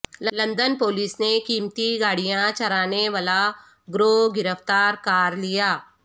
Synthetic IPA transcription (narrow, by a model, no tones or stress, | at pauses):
llɐ̃nd̪ənpoːliːsnekiːmt̪iɡaːɽijãt͡ʃɐɾaːneʋaːla | ɡɾoːɡɪɾəft̪aːɾkaːɾlijaː